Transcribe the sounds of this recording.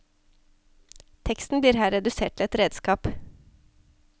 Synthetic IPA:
t̪ʰɛkst̪n̩bliːɾɦæːɾɛd̪ʉseːʈ̪ʰɪl̩ɛt̪ɾeːd̪skɑːp

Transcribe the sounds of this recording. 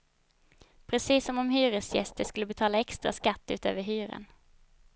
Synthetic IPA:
pʰɾɛsiːsɔmɔmhyːɾəsjɛ̰st̪əʂkɵlːəbɛt̪ʰɑːlaɛkst̪ɾa̰skat̪ːʉ̰ːt̪ø̰ːvəɦyːɾə̰n

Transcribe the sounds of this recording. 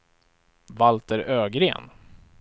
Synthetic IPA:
valt̪əɾøːɡɾeːn

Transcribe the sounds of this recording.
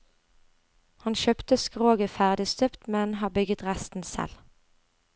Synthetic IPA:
hɑnʃœpt̪əskʁoːɡəfæʁd̪ɪst̪œpt̪mɛnhɑːbʏɡət̪ʁæst̪n̩sɛ̰l

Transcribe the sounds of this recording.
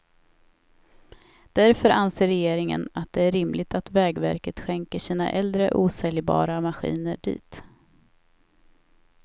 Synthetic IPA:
d̪̥æɾfœɾʔanseːɾɛjeːɾɪŋə̰nat̪̚d̪ɛæɾɪmlɪɡt̪at̪vɛːɡvæ̰ɾkət̪ɧɛŋkəʂiːna̰ʔɛld̪ɾəʔuːsɛljbɑ̰ːɾamaɧḭːnəɖḭːt̪

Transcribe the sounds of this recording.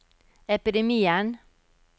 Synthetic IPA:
ɛpɪd̪ɛmiːən

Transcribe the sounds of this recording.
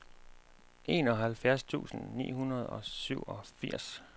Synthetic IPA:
ʔe̝ːnɒ̽ɦælfjæɐst͡sʰṵːsn̩nḭːɦunɐð̞̩ˠɒ̽syʊ̰ɒ̽fiɐ̰s

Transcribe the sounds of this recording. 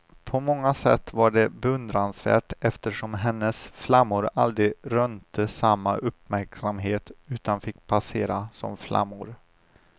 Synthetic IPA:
pʰɔmɔŋːasɛt̪ːvaɖɛbɛɵnd̪ɾansvæ̰ːʈɛft̪əʂɔmɦɛnːəsflamːʊɾa̰ld̪ɾɪɾœnt̪əsamːaʔɵpmæɾksamɦeːt̪ʉ̟ːt̪anfɪkːpʰaseːɾasɔ̰mflʔa̰mːʊɾ

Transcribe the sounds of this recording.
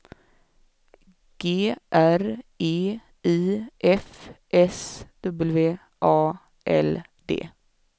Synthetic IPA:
ɡ̥eːʔæɾʔeː | iːʔɛfʔɛsd̪̥ɵbəlveː | ʔɑː | ʔɛ̰l | d̪̥ḛː

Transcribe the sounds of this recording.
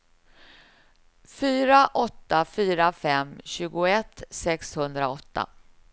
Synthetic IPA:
fyːɾaʔɔt̪ːafyːɾafɛmɕʉ̟ːɡʊɛt̪ːsɛkshɵnd̪ɾaɔt̪ʰːa̰

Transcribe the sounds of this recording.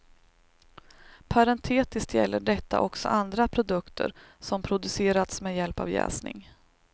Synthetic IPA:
pʰaɾɛnt̪ʰeːt̪ɪst̪jɛ̰lːəɖɛt̪ʰːa̰ʔɔksɔ̰ʔand̪ɾapʰɾʊd̪ɵkt̪ʰə̰ɾsɔmpʰɾʊd̪ɵseːɾat̪smeːjɛlpa̰vjɛ̰ːsnɪ̰ŋ

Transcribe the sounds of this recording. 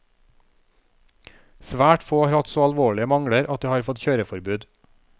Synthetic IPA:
sʋæːʈfoːɑːɾhɑt̪soːɑlʋoːɭɪəmɑŋɽəɾʔɑt̪̚d̪iːhɑːɾfɔt̪çøːɾəfɔɾbʉːd̪

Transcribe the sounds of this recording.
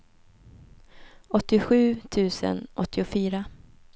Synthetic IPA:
ɔt̪ːɪɧʉ̟ːt̪ʰʉ̟ːsə̰nʔɔt̪ːɪʊfyːɾa

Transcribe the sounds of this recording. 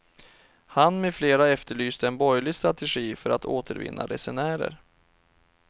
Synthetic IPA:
hanmɛfleːɾaɛft̪əɭyːst̪əɛnbɔjlɪɡst̪ɾat̪ɛɧiːfœɾat̪ʰoːt̪ʰəɾvɪ̰nːaɾɛsɛnæːɾə̰ɾ

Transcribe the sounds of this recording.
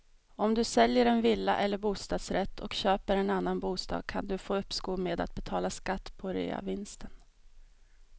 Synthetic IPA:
ɔmd̪ɵsɛljəɾɛnvɪlːa̰ʔɛlːəɾbuːst̪ɑːd̪sɾɛt̪ʰːɔkɕøːpəɾɛnanːanbuːst̪ɑ̰ːɡ̚kʰand̪ɵfoːɵpːskuːmeːd̪a̰t̪̚bɛt̪ʰɑːlaskat̪ːpʰɔɾḛːa̰vɪnst̪ʰən

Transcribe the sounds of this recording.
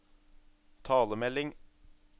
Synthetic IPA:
t̪ʰɑːləmɛlɪŋ

